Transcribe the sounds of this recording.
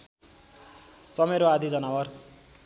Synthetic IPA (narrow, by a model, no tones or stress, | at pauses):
t͡sʌmeɾoad̪ʱid͡zʌnawʌr